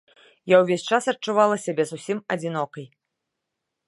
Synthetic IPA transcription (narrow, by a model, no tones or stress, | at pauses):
jawvʲesʲt͡ʂasɐtt͡ʂuvalˠɐsʲabʲɛzusʲimɐd͡zʲinɔkɐj